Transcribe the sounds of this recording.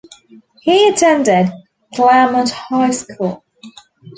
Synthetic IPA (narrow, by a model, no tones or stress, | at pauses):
hiətʰɛ̃ndɪd | ɡlɛmə̃nʔhaɪskʰulˠ